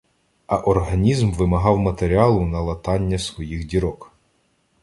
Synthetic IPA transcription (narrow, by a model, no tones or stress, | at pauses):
ɐʔɔrɦɐnʲizmʋɪmɐɦɑwmɐt̪eɾʲiɑlˠʊnɐlˠɐt̪ɑnʲːɐsʋɔjixdʲiɾɔk